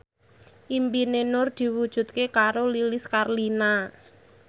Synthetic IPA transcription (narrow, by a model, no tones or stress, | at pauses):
ʔimpinenʊrd̪̥i̤wud̥ʒ̥ṳt̪̚kekaɾolilɪskarlina